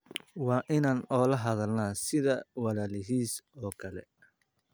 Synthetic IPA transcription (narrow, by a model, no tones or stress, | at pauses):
wɑːʔɪnaːnɔːlɐɦɐðɐlnaːsɪðɐwɑlaːlɪɦiːsɔːkʰɐlɛ̰